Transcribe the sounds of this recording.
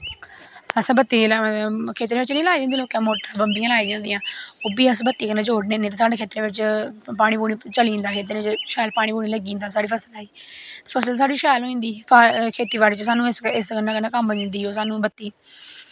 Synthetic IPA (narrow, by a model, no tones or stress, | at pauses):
əsbət̪ːiːlkʰeːt̪ɾẽːʋɪt͡ʃnĩːlaːiːd̪eːnd̪iːloːkãːmoːʈbəmbiːãlaːid̪ẽːnd̪ĩːãːoːbiːəsbət̪ːiːkənãːd͡ʒoːɽnẽːneːt̪eːsaːɖeːkʰeːt̪ɾẽːʋɪt͡ʃpaːɽiːbuːɽiːt͡ʃəliːnd̪aːkʰeːt̪ɾẽːɪt͡ʃʃɛːlpaːɽ̃iːbuːɽiːləɡiːnd̪aːsaːɽiːpʰəsəlaːiː | t̪eːpʰəsəlsaːɖiʃɛːlɦoːĩːnd̪iːpakʰeːt̪iːʋaːɽeːt͡ʃəsaːnũːɪsskənãːkənãːkəmbəĩːnd̪iːoːs̬aːnũːbət̪ːiː